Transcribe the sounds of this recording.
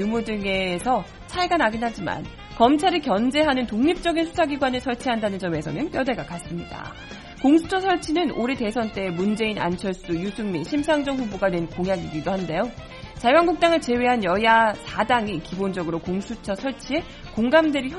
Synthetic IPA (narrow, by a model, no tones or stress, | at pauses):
umudɯŋe̞sʰʌ | t͡ɕʰaeɡanaɡinɦad͡ʑima̰n | kʌmt͡ɕʰaɾikjʌnd͡ʑe̞ɦanɯntoŋɲip̚t͡ɕ͈ʌɡinsʰu̥sʰaɡiɡwanɯɭsʰʌɭt͡ɕʰiɦandanɯnd͡ʑʌme̞sʰʌnɯnk͈jʌde̞ɡakas͈ɯmɲida̰ | koŋsʰu̥t͡ɕʰʌsʰʌɭt͡ɕʰinɯnoɾete̞sʰʌnt͈e̞mund͡ʑe̞ina̰nt͡ɕʰʌɭs͈ujusʰuŋmiɕʰimsʰaŋd͡ʑʌŋɸuboɡanwe̞nkoŋjaɡiɡidohande̞jo | t͡ɕajaŋɡuk̚t͈aŋɯɭt͡ɕe̞weɦanjʌjasʰadaŋikibond͡ʑʌɡɯɾokoŋsʰut͡ɕʰʌsʰʌɭt͡ɕʰie̞ | koŋɡamdweɾiçj